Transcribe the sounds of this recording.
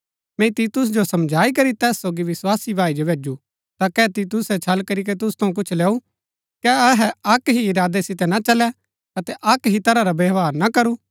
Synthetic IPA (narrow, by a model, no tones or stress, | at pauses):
mɛ̃t̪iːt̪ʊs̬d͡ʒosɐmd͡ʒʱaːikɐɾit̪ɛːsːoːɡiʋɪswaːsibʱaːid͡ʒobʱeːd͡ʒu | t̪akɛːt̪iːt̪ʊsɛt͡ʃʰɐlkɐɾik̬et̪̬ʊst̪ʰɐũk̬ʊt͡ʃʰlɛːu | kɛɐɦɛɐkɦiɪɾaːd̪esɪt̪ɛnat͡ʃɐlɛ | ɐt̪ɛʔɐkɦit̪ɐɾaɾabeʋaːɾnakɐɾuː